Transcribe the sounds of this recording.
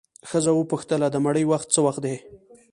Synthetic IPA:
xəzawəpuxt̪əlad̪əmaɽəjwaxt̪̚t͡səwaxt̪̚d̪e

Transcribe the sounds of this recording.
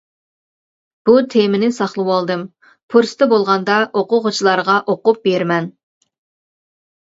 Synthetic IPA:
b̥ut̪ʰemɪnɪsɑχlˠɨwɑlˠd̪ɨm | pʰuɾst̪ɨbolˠʁɑnd̪ɑʔoqʊʁʊt͡ʃʰilˠɑɾʁɑʔoqʊp̚beɾmɛn

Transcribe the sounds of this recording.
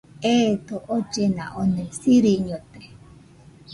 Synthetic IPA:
et̪oʔot͡ʃena̰ʔonẽsiɾiɲot̪e

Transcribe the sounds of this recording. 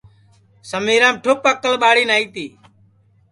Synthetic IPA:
səmiːɾãːmʈʰʊpəkəlɓaːɽiːnaːiːt̪iː

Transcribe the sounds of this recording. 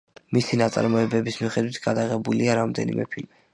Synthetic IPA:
misinat̪sʼa̰ɾmɔɛbɛbismiχɛd̪wit̪ʰɡad̪aʁɛbuliaɾamd̪ɛ̰nḭmʔɛ̰pʰilmi

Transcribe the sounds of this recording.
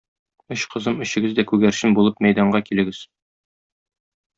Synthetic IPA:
ɵɕqɤ̆zɤmɵ̆ɕɘ̆ɡɘzd̪ækʉɡæɾɕɘmbulˠɤpmæjd̪ɑɴɢɑkilɘ̆ɡɘz̥

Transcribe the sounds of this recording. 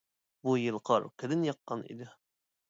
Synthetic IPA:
bujəlˠqʰɑɾkʲɪd̪ɘnjɑqːɑnḭd̪ɪ

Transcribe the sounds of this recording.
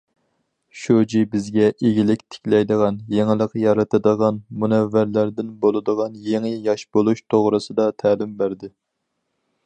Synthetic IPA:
ʃod͡ʒibɪzɡʲɛʔeɡʲilɪkʲt̪ʰɪ̥kʲlɛjd̪əʁɑnjeŋɪlˠəqjɑɾɨt̪ɨd̪əʁɑnmunɛvːæɾlæɾd̪ɪnbolˠɨd̪əʁɑnjeŋɪjɑʃbolˠuʃt̪ʰoʁɾɨsɨd̪ɑt̪ʰæːlɪmbæɾd̪ɪ

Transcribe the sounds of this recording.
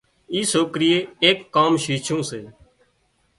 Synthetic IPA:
iːsoːkɾɪjeːeːkːaːmʃiːt͡ʃʰõːseː

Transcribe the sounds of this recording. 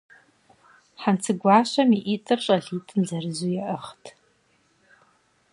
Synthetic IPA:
ħant͡sʰɨɡʷaːʃʷɐmiʔitʼɨrɕʼɐɮiːtʰʼɨnzɐrɨzujɛʔəχtʰ

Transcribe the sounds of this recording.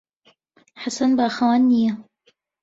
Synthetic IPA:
ħasɐnbaːxɐwaːnːijɐ

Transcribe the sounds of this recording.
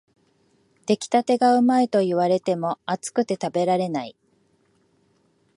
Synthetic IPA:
t̪e̞kʲi̥t̪at̪e̞ɡaɯ̟maet̪o̞iβaɾe̞t̪e̞mo̞at͡sɨ̥kɯ̟t̪e̞t̪abe̞ɾaɾe̞nai

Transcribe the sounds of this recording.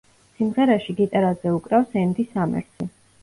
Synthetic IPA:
simʁɛɾɛʃiɡit̪ʼaɾazɛukʼɾafsɛnd̪isamɛ̰ɾt̪sʰi

